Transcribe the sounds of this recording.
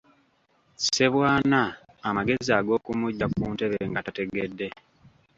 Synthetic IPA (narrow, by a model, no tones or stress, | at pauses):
se̞βwaːnaː | maɡe̞ziaɡo̞ːkumuɟːakuːnteβeŋɡatate̞ɡedːe̞